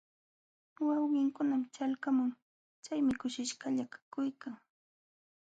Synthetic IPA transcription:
wɑwɢɪŋkʊnamt͡ʃalkamʊŋ | t͡ʃajmɪkʊʃɪʃɢɑʎakḁkʊjkaŋ

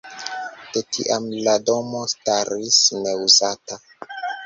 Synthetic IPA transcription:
d̥etʰḭʔamlado̞mo̞staɾisne̞uzata

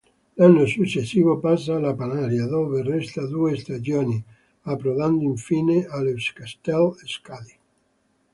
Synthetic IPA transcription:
alːosut͡ʃːesːiːvopas̬ːalapanaɾjad̪oːverɛst̪ad̪uːest̪ad͡ʒjoːni | apːɾovand̪oiɱfiːnealuskast̪ɛleskad̪i

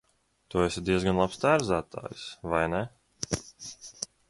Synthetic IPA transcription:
t̪uesʲed̪iɛzɡanlˠapst̪æːɾzæːt̪a̰ːjsvajnɛ

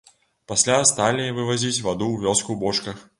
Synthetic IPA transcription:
pasʲlʲast̪alʲivɨvazʲit͡sʲvad̪uwvʲɔskubɔt͡ʂkɐx

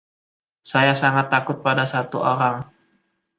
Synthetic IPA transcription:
sajasaŋat̪ːakʊt̪̚padasat̪uʔoɾaŋ

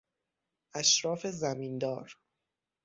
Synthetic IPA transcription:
ʔæʃɾɒːfe̞zæmiːnd̪ɒːɾ

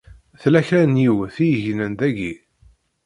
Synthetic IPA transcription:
θlæçɾænjiwθijəʝnənd̪æɡi

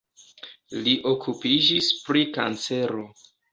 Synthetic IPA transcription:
liʔo̞kʰupid͡ʒispɾika̰nt͡se̞ɾo̞

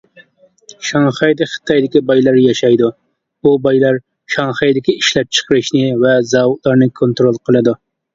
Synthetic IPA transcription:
ʃɑŋχɑjd̪ɪχə̥t̪ʰɑjd̪ɪkʲibɑjlˠɑɾjɑʃɑjd̪u | bubɑjlˠɑɾ | ʃɑŋχɑjd̪ɪkʲiiʃlɛp̚t͡ʃʰə̥qʰəɾɨʃnɪvɛzɑwut̪̚lˠɑɾnɨkʰont̪ɾolˠqʰəlˠɨd̪u

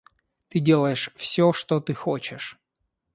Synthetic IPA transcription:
t̪ɨdʲe̞lˠəjɪʂfsʲoʂt̪ot̪ɨxot͡ɕɪʂ

